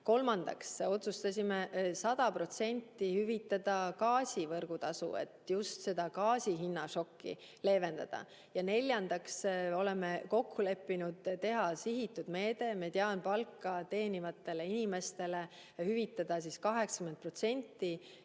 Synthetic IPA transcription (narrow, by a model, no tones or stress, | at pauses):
ko̞lmɑnd̪̥ɑ̰kso̞t̪sust̪ɑsʲimesɑd̪̥ɑpro̞t̪se̞nʲt̪ːihyvit̪ˑːɑd̪ɑkɑːsʲivɤrɡ̥ut̪ɑsṵe̞̰t̪just̪se̞d̪̥ɑkɑːsʲiɦinːɑʃo̞kːḭ | le̞ːve̞nd̪ɑ̰d̪̥ɑ̰ | jɑne̞lʲjɑnd̪̥ɑkso̞leme̞ko̞kʰːule̞pːinud̪̥t̪e̞ɦɑsiɦit̪ːˑud̪̥me̞ːd̪̥e̞met̪eɑnpɑlkːɑt̪e̞ːnivɑt̪ːˑe̞le̞inime̞st̪e̞le | hyvit̪ːˑɑd̪̥ɑsiskɑɦe̞ksɑ̥kyment̪̚pro̞t̪se̞nʲt̪ˑːi